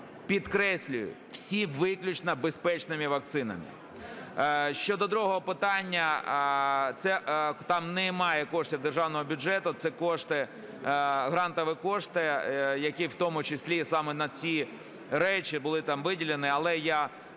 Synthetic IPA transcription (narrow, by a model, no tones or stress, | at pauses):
pʲid̪kɾɛsʲlʲʊjʊ̰w̥sʲiʋɪklʲʊt͡ʃnɐbespɛt͡ʃnɪmʲiʋɐk̚t̪sɪnɐ̰mʲḭ | ʃt͡ʃɔd̪ɔd̪ɾuɦɔɦɔpɪt̪ɑnʲːɐ | t̪sɛt̪ɑmnɛmɑjɛkɔʂt̪ʲɪwd̪erʒɑwnɔɦɔbʲʊʐɛt̪ʊt̪sɛkɔʂt̪ɪ | ɦɾɑnt̪ɔʋɪkɔʂt̪ɪjɐkiwt̪ɔmʊt͡ʃɪsʲlʲisɑmɛnɐt͡sʲi | ɾɛt͡ʃʲibʊlˠɪt̪ɑmʋɪdʲilʲenɪɐlˠɛja